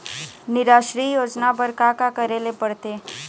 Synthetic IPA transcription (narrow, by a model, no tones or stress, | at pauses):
nɪɾaːʃɾijoːd͡ʒnabəɾkakakəɾelepəɽt̪eː